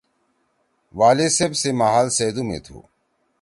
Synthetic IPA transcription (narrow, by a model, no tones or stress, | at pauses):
ʋaːlesebsemaɦaːlseːd̪umḛt̪ʰo̰ː